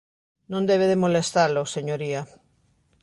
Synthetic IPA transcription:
nõnd̪ɛβ̞eðemolest̪aloseɲoɾia

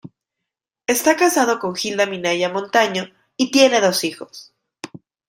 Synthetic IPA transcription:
e̞st̪akasað̞o̞ko̞ŋxild̪amĩnaʝamõ̞nt̪aɲo | it̪je̞ne̞ðo̞sixo̞̥s

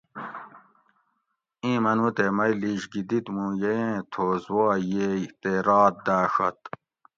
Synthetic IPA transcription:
ĩːmɐnut̪emɐjliɕɡid̪it̪mũːjejẽːt̪ʰoːzwɑːjejt̪eɾɑːt̪̚d̪aːʂɐ̰t̪

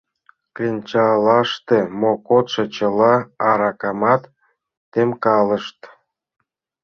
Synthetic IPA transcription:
klʲinʲt͡ɕɑlɑʃt̪emokot̪ʃɤ̆t͡ɕə̆lˠɑɑɾɑkɑmɑt̪ː | emkɑlˠə̆ʃt̪

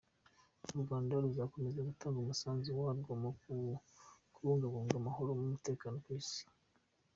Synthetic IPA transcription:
oɾuɡaːndaɾuzakome̞zaɡutaːŋɡumusaːnziwaːɾɡamau | kuɾuːŋɡaɡoːŋɡamaho̞ɾo̞mumute̞ːkaːno̞kwisi̥

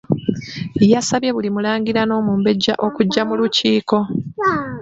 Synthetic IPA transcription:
ejasaβje̞βulimulaːŋɡiɾano̞ːmuːmbe̞ɟːa̰ʔo̞kuɟːamuluciːko̞

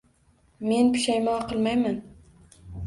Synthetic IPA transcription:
me̞npʰʊ̥ʃajmɒːqɨlˠmajman

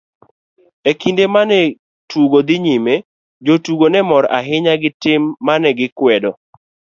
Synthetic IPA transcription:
ekindemanɛ | tuɡod̪ɪɲime | d͡ʒotuɡonɛmɔɾa̰ɦɪɲaɡɪtɪmːanɛɡɪkwɛdɔ

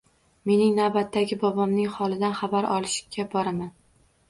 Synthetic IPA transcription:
me̞nɪŋnawbat̪ʰːaɡʲɪbɒbɒmnɪŋχɒlˠɪd̪anχabaɾɒlˠɪʃɪ̥kʲʰːabɒɾaman

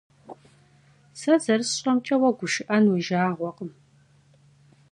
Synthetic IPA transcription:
sɐzɐɾɨsɕʼɐmt͡ʃʼɐwɐɡʷʊʃɪʔɐnwʊʒaːʁʷɔqəm

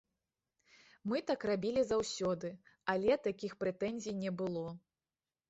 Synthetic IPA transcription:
mɨt̪akrabʲilʲizawsʲɔd̪ɨalʲɛt̪akʲixpɾɛt̪ɛnʲzʲijnʲɛbɨlˠɔ

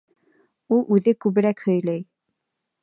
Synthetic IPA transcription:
ulˠʔʉðɘkʉβɘ̆ɾækhɵ̆jlæj

